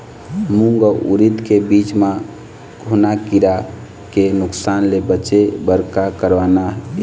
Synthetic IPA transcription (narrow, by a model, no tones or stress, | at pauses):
muŋɡəʔṵɾit̪kebit͡ʃma | ɡʱonakiɾa | kenuksanlebət͡ʃebəɾkakəɾʋana